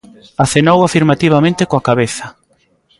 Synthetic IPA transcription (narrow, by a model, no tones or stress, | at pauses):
aθenowafiɾmat̪iβamẽnt̪ɪkoakaβeθɐ